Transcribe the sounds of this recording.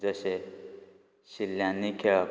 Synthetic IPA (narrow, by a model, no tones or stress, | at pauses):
d͡zʌse | silːjanːikʰʌ